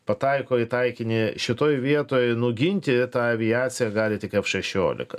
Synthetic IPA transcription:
pɐt̪ɐɪkoːɪt̪ɐɪkʲɪnʲɪʃʲɪt̪oːjʋʲiɛt̪oːjnʊɡʲɪnʲt̪ʲɪt̪ɑːɐʋʲɪjɑːt͡ssʲɪjɛɡɑːlʲɪt̪ʲɪkɐpʃʲɛʃʲoːlʲɪ̰kɐ

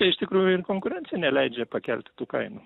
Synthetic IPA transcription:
t̪ɐɪɪʃt̪ʲɪkɾuːjʊɪrkoːŋkʊɾʲɛnt̪sʲɪjɛnʲɛlʲɛɪd͡ʒʲɛpɐkʲɛ̰lʲt̪ʲɪ̥t̪uːkɐɪnu

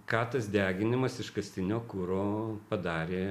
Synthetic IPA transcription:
kɑːt̪ɐsd̪ʲæːɡʲɪnʲɪmɐsɪʃkɐsʲt̪ʲɪnʲoːkuːɾoːpɐd̪ɑːɾʲeː

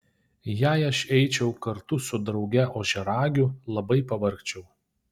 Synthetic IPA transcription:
jæːɪɐʃɛɪt͡ʃʲɛʊkɐɾt̪ʊsʊd̪ɾɒʊɡʲɛʔoːʒʲɛɾɑːɡʲʊlˠɐbɐɪpɐʋɐɾkt͡ʃʲɛʊ

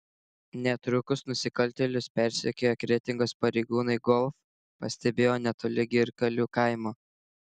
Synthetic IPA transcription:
nʲɛt̪ɾʊkʊsnʊsʲɪkɐlʲt̪ʲɛlʲʊspʲɛɾʲsʲekʲeːjoːkɾʲɛt̪ʲɪŋɡoːspɐɾʲɛɪɡuːnɐɪɡɔlˠf | pɐsʲt̪ʲɛbʲeːjoːnʲɛt̪olʲɪɡʲɪɾkɐlʲuːkɑˑɪmoː

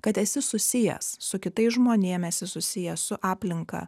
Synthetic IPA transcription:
kɐt̪ɛsʲɪsʊsʲɪjɛ̰ssʊkʲɪt̪ɐɪsʒmoːnʲiɛmɛsʲɪsʊsʲɪjɛssʊʔɑːpʲlʲɪŋkɐ̰ː

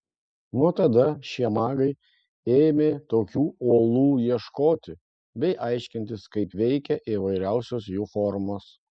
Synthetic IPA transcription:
nuɔt̪ɐd̪ɐʃʲiɛmɑːɡɐɪ | eːmʲeːt̪oːkʲuːoːlˠuːjiɛʃkoːt̪ʲɪ | bʲɛɪʔɑɪʃʲkʲɪnʲt̪ʲɪskɐɪpʋʲɛɪkʲɛʔiʋɐɪɾʲæʊsʲoːsjuːfɔɾmoːs

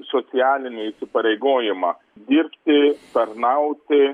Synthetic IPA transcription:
soːt̪sʲɪjæːlʲɪnʲɪisʲɪpɐɾʲɛɪɡoːjɪmɑː | d̪ʲiɾʲpʲt̪ʲɪt̪ɐɾnɐʊt̪ʲɪ

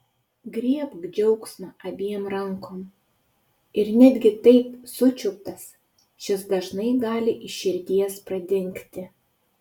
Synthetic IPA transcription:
ɡɾʲiɛpɡd͡ʒʲɛʊksnɐʔɐbʲiɛmɾɐŋkoːm | ɪɾnʲæd̪ʲɡʲɪt̪ɐɪpsʊt͡ʃʲʊk̚t̪ɐs | ʃʲɪsd̪ɐʒnɐɪɡɑːlʲɪʔɪʃʲɪɾʲd̪ʲiɛspɾɐd̪ʲɪŋʲkt̪ʲɪ

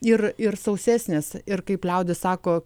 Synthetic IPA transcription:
ɪɾɪɾsɐʊsʲæːsʲnʲɪsɪɾkɐɪplʲɛʊd̪ʲɪssɑːkoː

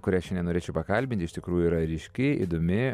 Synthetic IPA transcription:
kʊɾʲiɛɐʃt͡ʃʲɛnʲɛnoːɾʲeːt͡ʃʲɛʊpɐkɐlʲbʲɪnʲt̪ʲɪʃt̪ʲɪkɾuːjuiɾɐɾʲɪʃʲkʲɪḭd̪omʲɪ

